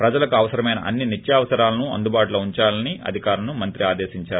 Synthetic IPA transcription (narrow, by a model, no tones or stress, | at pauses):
pɾɐd͡ʒɐlɐkuɐʋɐsɐɾɐmɐjnɐ̰ʔɐ̰nːinit̪ːjaːʋɐsɐɾaːlɐnuɐ̰nd̪ubaːʈuloːuɲt͡ʃaːlɐniɐ̰d̪ʱikaːɾɐnumɐnt̪ɾiaːd̪eːsiɲt͡ʃaːɾu